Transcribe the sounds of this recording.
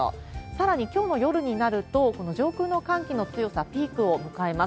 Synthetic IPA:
saɾaɲ̟ikʲo̞ːno̞jo̞ɾɯ̟ɲ̟inaɾɯ̟t̪o̞ko̞no̞ʑo̞ːkɯ̟ːno̞kãŋkʲino̞t͡sɨjo̞sapʲiːkɯ̟o̞mɯ̟kae̞ma

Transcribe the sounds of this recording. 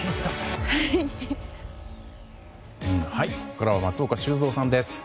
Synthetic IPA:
et̪ːaa | ɯ̃ɴhaikokaɾaβamat͡sɨokaɕɨːzo̞ːsãnd̪esɨ̥

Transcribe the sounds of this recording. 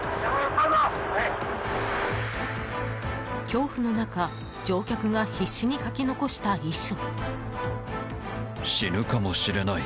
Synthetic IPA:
kʲo̞ːɸɯ̟no̞nakad͡ʑo̞ːkʲakɯ̟ɡaçiɕːiɲ̟ikakʲino̞ko̞ɕi̥t̪aiɕːo | ɕiɾɯ̟kamo̞ɕiɾe̞nai

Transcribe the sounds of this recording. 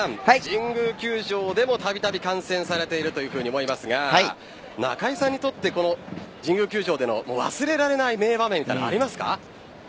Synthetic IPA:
ãmd͡ʑĩŋɡɯkʲɨːʑo̞ːd̪e̞mo̞t̪abʲit̪abʲikãɰ̃sẽ̞ɰ̃saɾe̞t̪e̞iɾɯ̟t̪o̞jɯ̟ːɸɯ̟ːɲ̟iomoimasɨɡa | na̰kaisãɲ̟ːit̪o̞t̪ːe̞ko̞no̞d͡ʑĩŋɡɯ̟kʲɨːʑo̞ːd̪e̞no̞̰moːβa̰sɨɾe̞ɾaɾe̞naime̞ːbamemʲːit̪a̰ina̰ɾʲimasɨ̥ka̰

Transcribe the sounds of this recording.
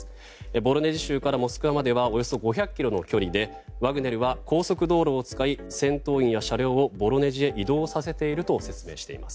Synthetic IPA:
ebo̞ɾo̞ne̞ʑiɕɨːkaɾamo̞sɨ̥kɯ̟βamad̪e̞β̞ao̞jo̞so̞ɡo̞çʲakʲːiɾo̞no̞̰kʲo̞ɾʲid̪e̞ | βaɡɯ̟ne̞ɾɯ̟βako̞ːso̞kɯ̟d̪o̞ːɾo̞ːt͡sɨ̥kai | sẽ̞nt̪o̞ːĩɰ̃jaɕaɾʲjo̞ːobo̞ɾo̞ne̞ʑie̞ʔid̪o̞ːsase̞t̪e̞iɾɯ̟t̪o̞se̞t͡sɨme̞ːɕi̥t̪e̞ḭmasɨ̥

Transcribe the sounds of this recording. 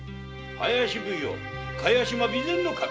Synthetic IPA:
a̰jaɕibujo̰ | kʰajaɕimabilenːokʰa

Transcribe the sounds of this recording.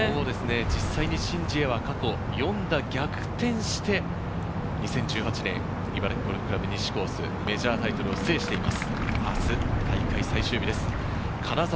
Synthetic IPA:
ood̪e̞sɨne̞d͡ʑisːaiɲ̟iɕĩɲ̟d͡ʑie̞βakako̞ | jõ̞nd̪aɡʲakɯ̟̥t̪ẽ̞ɰ̃ɕi̥t̪e̞ | ɲ̟isẽ̞ɲ̟d͡ʑɨːhat͡ɕinẽ̞̰ŋ | ibaɾekoɾekɯ̟ɾabeɲ̟ʲiɕi̥ko̞ːsɨ̰ | me̞ʑaːt̪ait̪o̞ɾɯ̟o̞se̞ːɕi̥t̪e̞imasɨ̥asɨt̪ʰaikaisaiɕɨːbid̪e̞sɨ̥ | kʰanaza

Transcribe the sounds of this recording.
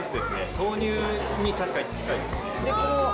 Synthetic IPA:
t͡sɨd̪e̞sɨne̞t̪ʰo̞ːɲʲɨːɲ̟it̪aɕi̥kaɲʲit͡sɨ̥zɨ̥kaid̪asɨed̪e̞kono

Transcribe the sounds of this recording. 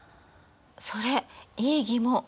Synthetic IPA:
so̞ɾe̞eːɡʲimo

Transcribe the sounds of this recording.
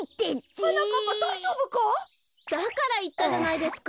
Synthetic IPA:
it̪ːet͡sɯnokokosoʑoːbɯko | d̪̥akaɾait̪ːad͡ʑanaid̪e̞sɨ̥k

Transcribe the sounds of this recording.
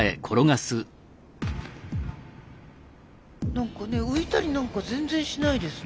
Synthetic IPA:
e̞̰kʰo̞ɾo̞ɡasɨ | nãŋkane̞ɯ̟it̪aɾʲinãŋkazẽ̞nd͡zẽ̞ɰ̃ɕinaid̪e̞sɨ

